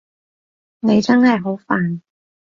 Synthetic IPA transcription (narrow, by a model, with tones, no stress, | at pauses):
ne˨˧jt͡sɐ˥nhɐ˨˩jɦo˨˥wfaː˨n